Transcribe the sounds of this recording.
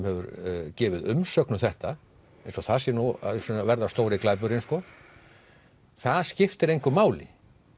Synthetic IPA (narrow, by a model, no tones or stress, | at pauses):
mhɛvʏ̰ɾcɛːvɪðʏmsœknʏmθɛht̪a | ẽjnsɔθasjɛnṵsɛnavɛɾðast̪oːwɾɪklaːjp̬ʏɾɪnskɔ | θaðscɪft̪ɪɾejŋkʏmaːwlɪ̰